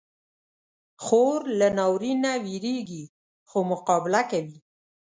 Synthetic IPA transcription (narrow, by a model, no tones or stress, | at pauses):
xoɾlanawɾinawiɾeɡi | xomʊqɑbɪlakawi